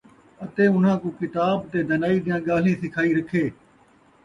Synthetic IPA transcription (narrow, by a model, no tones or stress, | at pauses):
ət̪eːʊn̤ãːkũːkɪt̪aːbt̪eːd̪ənaːiːd̪ɪjãːɠaːl̤ĩːsɪkʰaːiːɾəkʰːeː